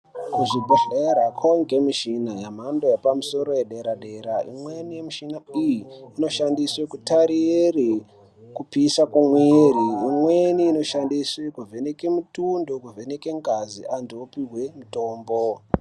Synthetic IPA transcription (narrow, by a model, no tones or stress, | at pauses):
kuʐibʱeɬeɾakʰoŋɡemiʃinajam̤andojepamuso̞ɾojeɗe̞ɾaɗe̞ɾaḭmwenijemiʃinaijiːno̞ʃandiswekutaɾiri | kupisakwamweriːmweniːno̞ʃandiswekuvʱenekemutundo̞kuvʱe̞neke̞ŋɡaziʔantiopiɦwe̞muto̞ːmbo